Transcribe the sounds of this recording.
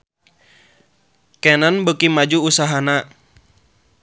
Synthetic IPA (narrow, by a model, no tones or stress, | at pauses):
kɛnanbəkimad͡ʒuusaɦana